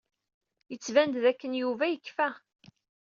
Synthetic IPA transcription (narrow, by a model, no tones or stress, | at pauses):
jət͡sːvænd̪ðækːənjuvæjəkːfæ